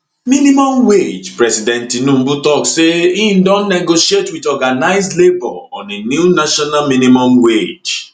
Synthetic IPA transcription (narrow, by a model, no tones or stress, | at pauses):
mĩnĩmɔ̃mwed͡ʒpɹɛsidɛ̃ntinũmbutɔkseĩndõnnɛɡoʃietwitɔɡanaɪzlebɔ̰ɔ̰̃nenjunaʃɔnamĩnĩmɔ̃mwed͡ʒ